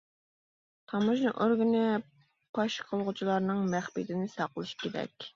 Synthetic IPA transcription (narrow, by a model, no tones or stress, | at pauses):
t̪ʰɑmuʃnɨʔoɾɡɪnɪ | pʰɑʃqʰəlˠʁʊt͡ʃʰilˠɑɾnɨŋmæχbid̪ɪnɪsɑqəlˠɨʃkʲeɾɛ̰kʲ